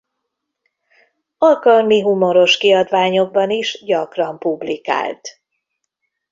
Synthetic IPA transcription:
ɒlkɒlmiɦumo̞ɾo̞ʃkiɒd̪ʋaːɲo̞ɡ̚bɒniʒɟɒkrɒmpublika̰ːlt̪

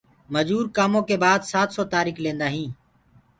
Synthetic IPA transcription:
məd͡ʒuːɾkaːmõːkeːbaːd̪saːt̪soːt̪aːɾiːklẽːnd̪aːɦĩː

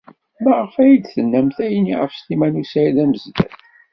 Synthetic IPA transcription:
mæʁəfæjid̪θənːæmθæjənːiʁə̰fst̪imænusæiðæməzdæ̰θ

